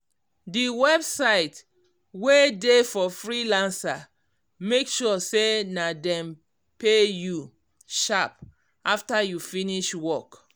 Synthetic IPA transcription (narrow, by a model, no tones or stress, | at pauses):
diwɛbsaɪt | wedefɔfɹilãnsa | mekʃɔsenadɛ̃m | peju | ʃap | aftajufĩniʃwɔk